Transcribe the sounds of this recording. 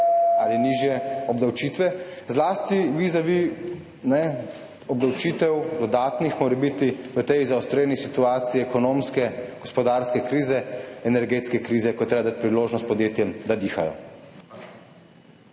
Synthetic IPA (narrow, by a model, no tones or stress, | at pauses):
aːliniʒjɛɔbd̪awt͡ʃiːt̪ʋɛzlaːst̪iʋizaʋi | nɛ | ɔbd̪awt͡ʃiːt̪ɛwd̪ɔd̪aːt̪nixmoːɾɛbit̪iʋət̪ɛjzawst̪ɾeːnisit̪uaːt̪siiɛkɔnoːmskɛɡ̥ɔspɔd̪aɾskɛkɾiːzɛɛnɛɾɡeːt̪skɛkɾiːzɛkɔt̪ɾeːbad̪aːt̪̚ʲpɾiloːʒnɔst̪̚pɔd̪jeːt̪jɛmd̪ad̪iːxajɔ̰